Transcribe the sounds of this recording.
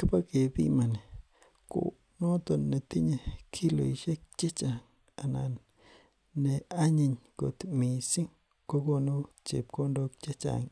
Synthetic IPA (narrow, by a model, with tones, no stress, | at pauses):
ka˦pa˦ke˨bḭ˦ma˨ne˨ | ko̰˨ | nõ˦t̪o˧nːe˨t̪i˦ɲe˧kʰi˦lo̰˨i˨ʃe˦k̚t͡ʃe˦t͡ʃa˨ŋ | a˨na̰˨n | ne˨a˦ɲi˧ɲko̰˨t̪mĩ˨si˦ŋ | ko˦ko˧nu˦t͡ʃḛ˨p̚ko˦ndo˧k̚t͡ʃe˦t͡ʃa̰˨ŋ